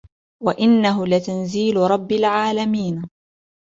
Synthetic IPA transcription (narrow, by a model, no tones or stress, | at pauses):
waʔɪnːaɦʊlat̪anziːlɾˤɑbːalʕaːlamiːn